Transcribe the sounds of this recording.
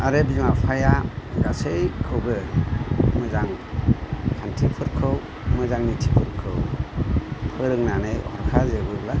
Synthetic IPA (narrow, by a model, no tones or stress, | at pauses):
aɾebizimapʰajaɡasɯjkʰɯwbɯ | mɯzaŋ | kʰantʰipʰɯɾkʰɯw | mɯzaŋnitʰipʰɯɾkʰɯw | pʰɯɾɯŋnanɯjhɔɾkʰazeɡɯla